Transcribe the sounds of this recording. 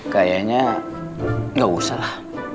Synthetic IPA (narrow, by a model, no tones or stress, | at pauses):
kajaɲa | ɡawusala